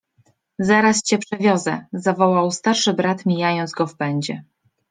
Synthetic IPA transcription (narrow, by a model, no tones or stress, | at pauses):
zaɾast͡ɕɛpʂɛvʲjɔzɛzavɔwawst̪aɾʂɘbɾat̪mʲijajɔnd̪zɡɔfpɛɲd͡ʑɛ